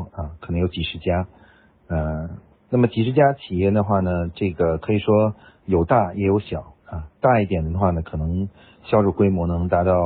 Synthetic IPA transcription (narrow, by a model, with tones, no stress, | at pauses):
ə˧kʰɤ˨˩nɤ˧˥ŋjo˧˥ʊt͡ɕi˨˩ʂɻ̩˥˩t͡ɕja˥ | ə˧ | na˥˩mə˩t͡ɕi˨˩ʂɻ̩˥˧t͡ɕja˥t͡ɕʰi˨˩jɛ˥˩d̪ə˩xwa˥˩nə˩ʈ͡ʂɤ˥˩ɡə˩kʰɤ˧˥i˨˩ʂwɔ˥ | jo˨˩ʊt̪a˥˩jɛ˧˥jo˧˥ʊɕjɑ˨˩˦ɐ˧t̪a˥˧i˥˩t̪̬jɛ˨˩nd̪ə˧xwa˥˩nə˩kʰɤ˨˩nɤ˧˥ŋ | ɕjɑ˥ʊʂu˥˩kwe˥ɪmwɔ˧˥nɤ˧˥ŋt̪a˧˥t̪ɑ˥˩ʊ